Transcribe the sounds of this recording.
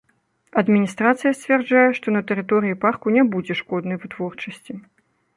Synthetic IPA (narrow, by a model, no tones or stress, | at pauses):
ɐd̪mʲinʲist̪ɾat̪sɨjɐsʲt͡sʲvʲɛrd͡ʐajɛʂt̪ɔnɐt̪ɛɾɨt̪ɔɾɨjiparkunʲɛbud͡zʲɛʂkɔd̪nɐjvɨt̪vɔrt͡ʂɐsʲt͡sʲi